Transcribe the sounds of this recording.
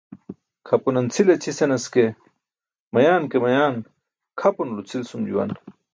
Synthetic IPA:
kʰɐpunɐnt͡sʰilet͡ɕʰisenɐske | mɐjaːnkemɐjaːn | kʰɐpunulut͡sʰilsumd͡ʑṵwɐ̰n

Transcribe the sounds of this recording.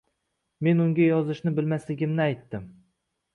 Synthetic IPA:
me̞nʊŋɡʲajɒzɪʃnɪbɪlmaslɪɡʲɪmnɪajt̪ːɪm

